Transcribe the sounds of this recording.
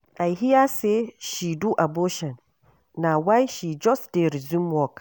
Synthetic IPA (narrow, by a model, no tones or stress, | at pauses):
ʔajɦɪjaːseʃiduʔaboːʃɛn | nawajʃid͡ʒɔsdɛɾzimwɔk